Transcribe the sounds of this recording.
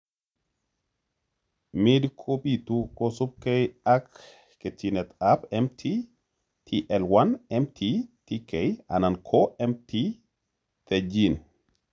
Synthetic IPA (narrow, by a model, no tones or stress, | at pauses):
midkʰopit̪ukosub̚kejakː | et̪inɛt̪apɛmtʰi | t̪ʰiʔɛlwanɛmt̪ʰitikeja̰nankʰoʔɛmt̪ʰi | t̪ed͡ʒin